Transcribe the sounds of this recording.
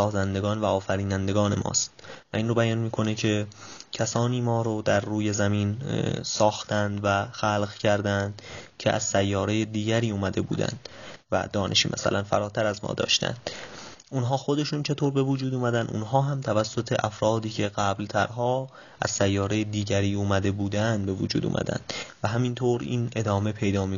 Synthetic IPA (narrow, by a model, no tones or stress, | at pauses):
sɒːzænd̪eɡɒːnvæɒːfæɾiːnænd̪e̞ɡɒːne̞mʔɒ̰ːst̪̚væ̰ʔinrobæjɒnmiːkʰo̞necʰe̞cʰæsɒːniːmɒːɾod̪æɾːuːjezæmiːnsɒːxt̪ænd̪væxælɣcʰæɾd̪ænd̪̥cʰe̞̰ʔæ̰z̥sæjːɒːɾe̞jed̪iːɟæɾiːuːmæd̪e̞bṵːd̪æ̰nd̪̥væ̰d̪ɒːnʔe̞ʃḭːmʔæ̰sæ̰lʔænfæ̰ɾɒːt̪ʰæɾæzmɒ̰ːd̪ɒ̰ːʃt̪æ̰nd̪̥ | ʔunɦɒːxo̞d̪e̞ʃuːnt͡ʃʰe̞t̪ʰoːɾbe̞vod͡ʒuːd̪uːmæd̪ænd̪ṵnɦɒːɦæmt̪ʰævæsːot̪ʰeʔæfɾɒːd̪iːcʰe̞ɢæblt̪ʰæɾɦɒː | ʔæ̰z̥sæjːɒːɾejed̪iːɟæɾiːuːmæd̪e̞buːd̪ænd̪̚be̞vo̰d͡ʒuːd̪ṵːmʔæ̰d̪æ̰nd̪̥væɦæmint̪ʰoːɾiːnʔe̞d̪ɒːme̞pʰe̞jd̪ɒːmi